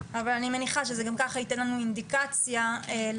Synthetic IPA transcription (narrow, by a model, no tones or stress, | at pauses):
avalanime̞niχaʃezeɡamkaχaitenlanuind̪ikat͡sjae